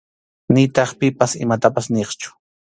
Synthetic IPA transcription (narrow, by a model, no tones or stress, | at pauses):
nɪt̪ɑχpɪpasɪ̰mat̪apasneχt͡ʃʊ̥